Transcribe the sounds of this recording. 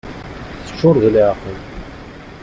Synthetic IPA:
θə̥t͡ʃːʊɾˤðiliʕqəl

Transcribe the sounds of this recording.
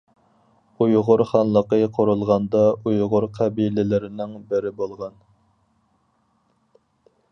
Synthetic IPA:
ujʁʊɾχɑnlˠəqəqʰoɾulˠʁɑnd̪ɑujʁʊɾqʰæbilɪlɪɾɪnɪŋbɪɾɪbolˠʁɑn

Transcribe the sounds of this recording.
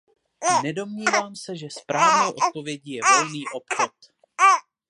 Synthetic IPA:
nɛdo̞mɲiːvaːmsɛʒɛspɾaːvnɛwʔo̞t̪̚po̞vjɛɟijɛvo̞lniːʔo̞pxot̪

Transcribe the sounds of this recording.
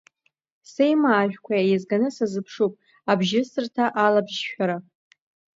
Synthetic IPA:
sejmaːʒᶣkʷʰajazɡanɨsazɨpʰʂupʼ | abʒɪsɨrtʰaʔalabʒʃᶣaɾa

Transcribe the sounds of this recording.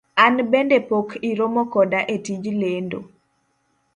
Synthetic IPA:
anbendepokʰiɾomokɔdaʔetid͡ʒlendo̰

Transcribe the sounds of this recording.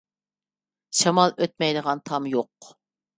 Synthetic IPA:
ʃɑmɑlˠøt̪̚mɛjləʁɑnt̪ʰɑmjoq

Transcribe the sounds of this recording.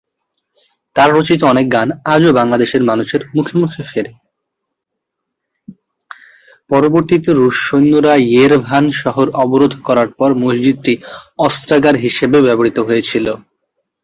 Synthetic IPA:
t̪aɾːot͡ɕit̪oɔnek̚ɡanad͡ʑobaŋlad̪eʃeɾmanuʃeɾmukʰemukʰefeɾe | pɔɾoboɾt̪it̪eɾuʃojnːoɾajeɾbʱanʃɔɦoɾʔɔboɾod̪ʱkɔɾaɾpɔɾmosd͡ʑid̪̚tiɔst̪ɾaɡaɾɦiʃebebɛboɾit̪oɦojet͡ɕʰilo

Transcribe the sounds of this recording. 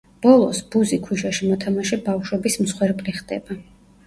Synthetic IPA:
b̥ɔlˠɔsbuzikʰwiʃaʃimɔt̪ʰamaʃɛbafʃwɛbism̩sχwɛɾpʼliχd̪ɛ̰ba

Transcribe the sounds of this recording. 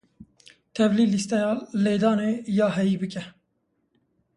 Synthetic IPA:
t̪ʰɛvliːlist̪ɛjɑːleːd̪ɑːneːjɑːɦɛjiːbɨkɛ

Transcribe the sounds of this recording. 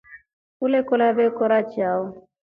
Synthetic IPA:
ulekolabekɔɾat͡ʃiaɔ

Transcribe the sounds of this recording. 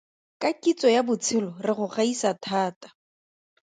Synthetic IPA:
kakʼit͡sʼɔjabʊt͡sʰɪlɔrɪχʊχaisatʰaːtḁ

